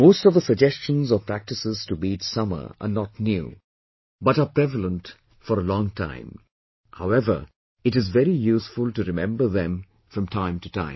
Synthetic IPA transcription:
moʊstʌvðəsəɡ̚d͡ʒɛst͡ʃə̃nzəpʰɹæk̚tɨsɪz̥tubidsʌmə̰˞ʔə̰nɔtnjṵ | bʌɾəpɾɛvəl̩ə̃nt | fɔɾəlɔ̃ŋtʰã̰ɪ̃m | haʊɛvə̰˞ | ɨɾɨzvɛɾijuːsfʊlˠtɨɾɪmɛ̰̃mbə˞ðɛ̃m | fɹʌ̃mtʰãɪ̃mtɨtʰã̰ɪ̃m

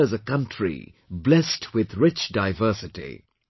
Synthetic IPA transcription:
ɨzəkʌ̃ntɹ̥ḭ | blɛstʰwɪðɹɪt͡ʃdaɪvɜˑ˞sɨtḭ

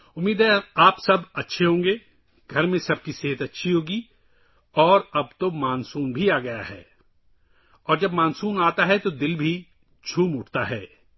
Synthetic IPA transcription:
ʊmːiːd̪ɦɛaːpsɐbɐtːʃʰeɦõːŋɡeː | ɡʱɐɾmẽsɐb̚kiseːɦət̪ɐtːʃʰiɦoːɡi | ɔːɾɐbt̪omaːnsuːnbʱiaːɡɐja̰ɦɛ̰ː | ɔːɾd͡ʒɐbmãːnsuːnaːt̪aɦɛt̪od̪ɪlbʱi | t͡ʃʰuːmʊʈʰt̪aɦɛː

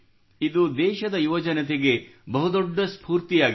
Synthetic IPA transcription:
id̪ud̪ɛːʃɐd̪ɐjuʋɐd͡ʒɐnɐt̪̬eɡe̞bɐɦud̪ɔɖːɐspʰuːɾt̪ijaːɡ

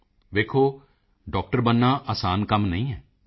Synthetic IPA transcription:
ʋeːkʰoː | ɖɔːk̚ʈəɾbənːãːʔaːsaːnkəmnəĩːɦɛː

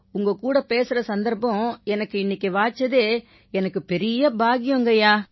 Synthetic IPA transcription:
ʊŋɡɐkuːɽɐpeːsɯɾɐsɐnd̪ɐɾpːɐ̃ɛnɐkːɯɪnːɪkːeʋaːt͡ʃːɐðeː | ɛnɐkːɯpɛɾɪjɐbaːɣɪjɔŋɡɐjaː

